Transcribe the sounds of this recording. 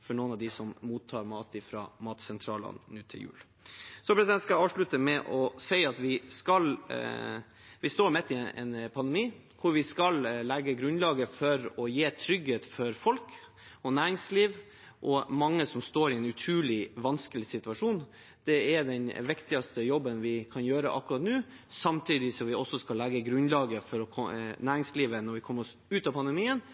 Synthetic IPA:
fɔɳuːnɑʋd̪ɪsɔmmuːt̪ʰːɑːɾmɑːt̪ɪfɾɑ̰ːmɑːt̪sɛnt̪ʰɾɑ̰ːlə̰nnʉːt̪ʰɪ̰ljʉ̰ːl | sɔpɾɛsd̪ɛnt̪skɑɑːʋʂɭʉt̪əmɛʔɔsɛɪɑt̪ʋɪskɑl | ʋɪst̪oːɾmɛt̪ːɪɛ̰npʰɑnd̪ɛmiː | kʰʊɾʋɪskɑllɛɡəɡɾʉnlɑːɡəfɔɾɔjeːt̪ʰɾʏɡheːt̪fɔɾfɔlk | ɔnæːɾɪŋsliːʋ | ʔɔmɑŋːəsɔmst̪oːɾɪɛnʉt̪ʰɾʉːlɪʋɑnskəlɪsɪt̪ʉɑʂuːn | d̪̥ɛɛɖɛnʋɪkt̪ɪɑst̪əjɔbːənʋɪkʰɑnjøːɾə̰ʔɑ̰kːɾɑt̪nʉː | sɑmt̪ʰiːd̪ɪsɔmʋɪɔsːɔskɑlːæɡəɡɾʉnlɑːɡəfɔɾɔkʰɔnæːɾɪŋsliːʋənɔɾʋɪkʰɔməɾɔs | ʉːt̪ɑpʰɑnd̪əmiːən

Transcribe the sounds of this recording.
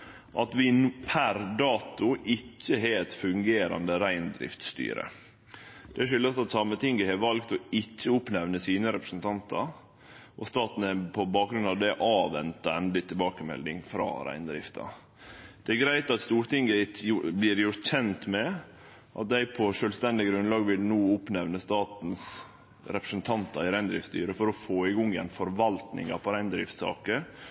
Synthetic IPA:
ʔɑt̪ʋɪnpʰæɾd̪ɑːt̪ʊʔɪcːəɦeːɛt̪fʉŋɡeːɾɑ̰nd̪əɾæɪnd̪ɾɪ̰ft̪st̪y̰ːɾə̰ | d̪̥ɛæʂʏlːɑt̪ɑt̪sɑmːət̪ʰɪŋɡəhɛɾʋɑlɡt̪ɔɪcːəʊpnɛʋnəsiːnəɾɛpɾəsnt̪ʰɑnt̪ɑ̰ɾ | ʔɔst̪ɑːt̪n̩ɛpʰɔbɑːk̚ɡɾʉnɑʋd̪ɛʔɑːʋɛ̰nt̪ɑɛnd̪lɪt̪ʰɪlbɑːkəmɛ̰ld̪ɪŋfɾɑ̰ːɾæ̰ɪnd̪ɾɪ̰ft̪ʰɑ̰ | d̪̥ɛæɡɾæɪt̪ɑt̪st̪uːɾt̪ɪŋɡæɪt̪ʊblɪːɾjʊɾt̪çɛnt̪mɛ | ʔɑ̰t̪̚d̪æɪpʰɔʂœːlst̪ɛnd̪ɪɡɾʉnlɑːɡʋɪlnuːʊpnɛʋnəst̪ɑːt̪n̩s | ɾɛpɾəsnt̪ʰɑnt̪ɑɪɾæɪnd̪ɾɪ̰ft̪st̪y̰ːɾəfɔɾɔfoːɪɡɔŋjɛ̰nfɔɾʋɑlt̪nɪ̰ŋɑ̰pʰɔɾæɪnd̪ɾɪft̪sɑ̰ːkə

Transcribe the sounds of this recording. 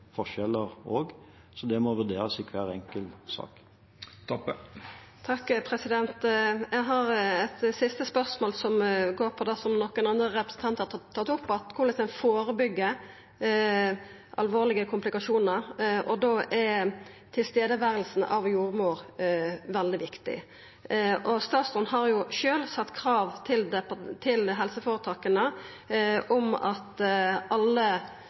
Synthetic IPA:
fɔʂɛləʁoːɡ | sɔd̪ɛmɔʋʉd̪eːɾəsikʰʋæːʁɛŋkəlsɑ̰ːk | t̪ʰ | t̪ʰɑkːpʰɾɛsɪd̪ɛnt̪jæɪɦɑɾɛt̪sɪst̪əspœʁsmoːlsɔmɡoːɾpʰɔd̪æsɔmnɔkːənɑnd̪ʁəʁɛpɾə̥sn̩t̪ɑnt̪hɑːɑt̪ːʊpːɑt̪kʰʊʁləsɛnfoːɾəbʏɡːə | ʔɑ̰lʋoːʁlɪɡəkʰʊmpʰlɪkɑʃuːnəɾʔɔd̪oːʔɛt̪ʰɪlst̪eːd̪əʋæːɾəlsn̩ɑ̰ʋjuːɾmuːɾʋɛld̪ɪʋɪkt̪ɪ̰ | ʔɔst̪ɑːt̪sɔnɦɑɾjʊʃøːlsɑt̪ːkʰɾɑːʋt̪ʰɪld̪ɛpt̪ʰɪlɦɛlsəfoːɾət̪ʰɑːkənə | ʔɔmɑt̪ʔɑlːə

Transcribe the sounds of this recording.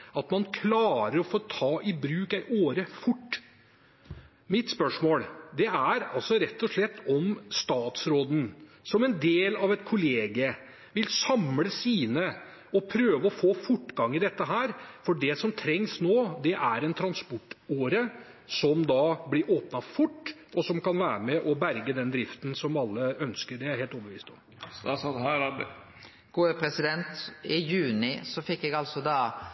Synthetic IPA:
ɑt̪mɑnkʰlɑːɾəɾɔfoːt̪ʰɑːʔɪbɾʉːkæɪʔoːɾəfʊʈː | mɪt̪spœʂmoːld̪ɛæɾɑlsɔɾɛt̪ːɔʂɭɛt̪ːɔmst̪ɑːt̪sɾoːd̪n̩sɔmɛnd̪eːlɑʋɛt̪kʰʊleːɡə | ʋɪlsɑmləsiːnə | ɔpʰɾøːʋəɔfoːfʊʈːɡɑŋːɪd̪ɛt̪ːəɦæːɾfɔɖɛsɔmt̪ʰɾɛŋsnoːd̪ɛʔæɾɛnt̪ʰɾɑnspɔʈːoːɾə | sɔmd̪ɑblɪɾʔoːpnɑfʊʈːɔsɔmkʰɑnʋæːɾəmɛʔɔbæɾɡəd̪ɛnd̪ɾɪft̪nsɔmɑlːəœnskəɾɖɛæɾheːlɔːbəʋḭːst̪ɔm | st̪ɑsɑt̪hæɾɑd | ɡ̥oːəpʰɾɛsɪd̪ɛnt̪ɪjʉːnɪsɔfɪkːɛɡɑlsɔd̪ɑː

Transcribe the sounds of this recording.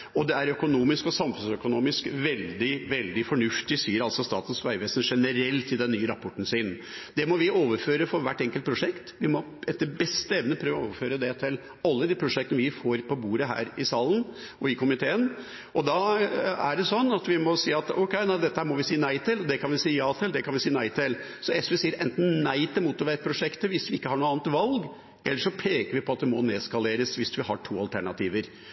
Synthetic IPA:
ɔd̪ɛæɾœkʊnuːmɪskɔsɑmfʉnsœkʊnuːmɪskʋɛld̪ɪʋɛld̪ɪfɔɳʉft̪ɪsyːɾɑlsɔst̪ɑ̰ːt̪n̩sʋæɪʋeːsənʂɛnəɾɛlt̪ʰɪld̪ɛnːyːəɾɑpʰɔʈːn̩sɪːnd̪ɛmɔʋɪoːʋəɾføːɾəfɔɾʋæʈːɛŋkəlt̪̚pʰɾʊʂɛkt̪ʋɪmɔ | ɛt̪d̪əbɛst̪əɛʋnəpʰɾøːʋəoːʋəføːɾəd̪ɛt̪ʰɪl | ɑlːəd̪iːpʰɾʊʂɛkt̪ənʋɪfoːɾpʰɔbuːɾəɦæ̰ːɾɪsɑːlən̩ | ɔɪkʰʊmɪt̪ʰeːən | ʔɔd̪ɑæɖɛsɔnːɑt̪ʋɪmɔsiːɑt̪ɔ̰kɛɪnæɪd̪ɛt̪ːəhæːɾmɔʋɪsiːənæɪt̪ʰɪlɔd̪ɛkʰɑnʋɪsiːəjɑːt̪ʰɪld̪ɛkʰɑnʋɪsiːənæɪt̪ʰɪl | sɔɛsʋɛsiːəɾʔɛ̰nt̪n̩næɪt̪ʰɪlmuːt̪ɔʋæt̪̚pʰɾʊʂɛkt̪əʋɪsʋɪɪkːəhɑɳuːɑːnət̪ʋɑlɡ | ɛlːəʂɔpʰeːkəɾʋɪpɔɑt̪̚d̪ɛmɔneːskɑleːɾəsʋɪsʋɪhɑʈʰuːɑlt̪ʰæɳɑt̪ʰiːʋəɾ

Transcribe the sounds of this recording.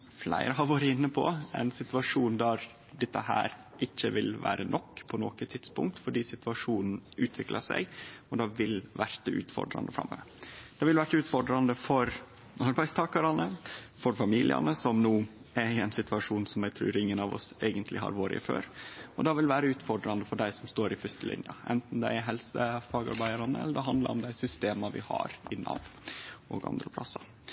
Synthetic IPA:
flæ̰ɪɾəɦɑʋɑːɾəɪnːəpʰɔ̰ɛ̰nsɪt̪ʋɑʂuːnd̪æɾ | d̪ɛt̪ːəhæ̰ːɾ | ʔɪçːəʋɪlʋæ̰ːɾʔənʔɔkːpʰɔnɔ̰kət̪ʰɪt̪spʊ̰ŋk̚t̪fɔɖiːsɪt̪ʋɑʂuːnn̩ʉːt̪ʰʋɪklɑsæ̰ɪɔd̪ɑʋɪlʋæɾt̪ʉ̰ːt̪fɔ̰ɖɾɑ̰nd̪əfɾɑ̰mːø̰ːʋəd̪̥ɛʋɪlʋæʈːʉːt̪fɔɖɾɑnd̪əfɔɾ | ɑɾbæɪst̪ʰɑːkɑɾɑnəfɔɾfɑmiːlɪ̰ɑ̰nəsɔmnuː | æɾɪɛɪnsɪt̪ʉɑʂuːnsɔmjæɪt̪ʰɾʉ̰ːɾɪŋːənɑʋɔ̰seːɡənt̪ʰlʔɪɦɑ̰ɾʋoːɾɪ̰ɪfø̰ːɾɔd̪ɑʋɪlʋæːɾəʉːt̪fɔɖɾɑnd̪əfɔɖæɪsɔmst̪oːɾɪfʏst̪əlɪ̰njəɛ̰nt̪n̩d̪æɪɦɛlsəfɑːɡɑ̰ɾbæɪəɾɑnəɛ̰lːəd̪ɛɦɑnd̪lɑ̰ɾɔmd̪æɪsʏst̪eːmɑʋɪ̰hɑ̰ɾɪnɑ̰ʋ̪ʔɔ̰ɡɑ̰nd̪ɾəpʰlɑsːɑ

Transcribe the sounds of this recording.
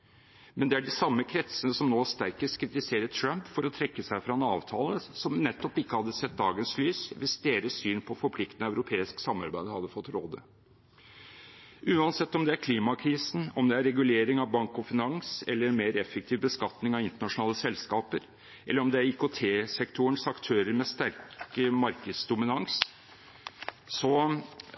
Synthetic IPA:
mɛnd̪ɛæɖɪsɑmːəkʰɾɛt̪sənəsɔmnoːst̪æɪkəskʰɾɪt̪ɪseːɾət̪ʰɾœmpfɔɾɔt̪ʰɾɛkːəsæɪfɾɑnɑ̰ːʋt̪ʰɑːləsɔmnɛt̪ːɔpɪkːəhɑd̪ːəsɛt̪̚d̪ɑːɡənslyːsʋɪsd̪eːɾəsyːnpʰɔfɔɾpʰlɪkt̪ənœʉɾʊpʰeːɪsksɑmːɑ̰ɾbæɪd̪hɑd̪ːəfɔt̪ːɾoːd̪ə̰ | ʔʉːɑnsɛt̪ːɔmd̪ɛæɾkʰliːmɑkʰɾiːsn̩ɔmd̪ɛæɾɛɡʉleːɾɪŋɑʋbɑŋkɔfɪnɑŋsɛ̰lːəɾɛnmeːɾɛfːək̚t̪ʰiːʋbəskɑt̪nɪŋɑʋɪnt̪əɳɑʂʊnɑːləsɛlskɑːpəɾ | ʔɛlːəɾɔmd̪ɛæɾikot̪ʰeːsɛkt̪ʰʊəɳsɑkt̪ʰøːɾəɾmɛst̪æɾkəmɑɾkəd̪sd̪ʊmɪnɑŋs | sɔ

